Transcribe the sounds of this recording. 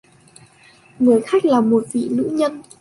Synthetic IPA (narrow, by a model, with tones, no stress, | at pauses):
ŋɨ˨˩əjxa˦˥jk̟̚laː˨˩mo˨˩t̚vḭ˧˨nɨ̰˧˥ɲə˧n